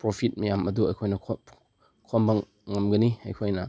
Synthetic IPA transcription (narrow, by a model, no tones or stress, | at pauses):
pɾopʰit̚mɐjamɐduɐjkʰojnɐkʰ | kʰɔmbɐ | ŋɐmɡɐniɐ̰jkʰojnɐ